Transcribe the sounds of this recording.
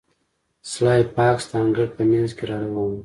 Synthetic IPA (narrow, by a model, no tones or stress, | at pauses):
slɑjpɑkst̪ɑŋɡəɽpəmanzkeɾɑɾawɑwu